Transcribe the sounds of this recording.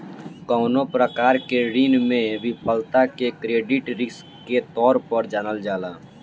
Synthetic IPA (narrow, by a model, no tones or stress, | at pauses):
kɔːnopɾəkaːɾkeɾiːnmẽʋɪpʰəlt̪akekɾeːɖɪʈɾɪs | ket̪ɔːɾpəɾd͡ʒaːnəld͡ʒaːlaː